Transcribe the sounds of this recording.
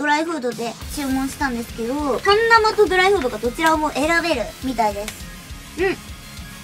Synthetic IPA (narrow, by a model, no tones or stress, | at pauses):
d̪̥o̞ɾaiɸɯ̟ːd̪o̞d̪e̞t͡ɕɨːmõɰ̃ɕi̥t̪ãnd̪e̞sɨ̥ke̞d̪o̞t̪ãnːamat̪o̞d̪oɾaiɸɯ̟ːd̪o̞ɡad̪o̞t͡ɕiɾamo̞ʔe̞ɾabe̞ɾɯ̟mʲit̪aid̪e̞sɨ̥ | ɯ̟̃ɴ